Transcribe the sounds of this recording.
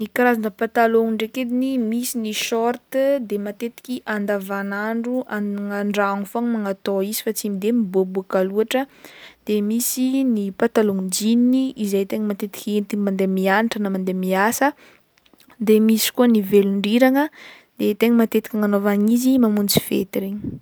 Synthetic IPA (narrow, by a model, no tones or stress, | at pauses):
nikaɾazanəpat̪aloŋiɳɖ͡ʐeked̪inimisiniʃɔrt̪d̪emat̪et̪i̥kʲiʔand̪avanaɳɖ͡ʐuʔaŋaɳɖ͡ʐaŋfoaŋmaŋat̪oizi̥fat͡simid̪emibobuakaluaʈ͡ʂəd̪̥emisinipat̪aloŋid͡ʒininiizejt̪eŋəmat̪et̪i̥kʲent̪imand̪emianiʈ͡ʂənamand̪emiasə | d̪emisi̥kuəniveluɳɖ͡ʐiɾaŋə | d̪̥et̪eŋəmat̪et̪i̥kʲaŋanovaɲizimamunt͡si̥vḛt̪iɾeɲi̥